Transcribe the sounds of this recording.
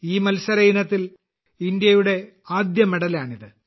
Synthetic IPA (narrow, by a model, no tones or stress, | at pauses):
iːmɐlsɐɾɐjinɐt̪ːil | ind̪jɐjuɽe̞ | aːd̪jɐmeɽɐlaːɳiðɨ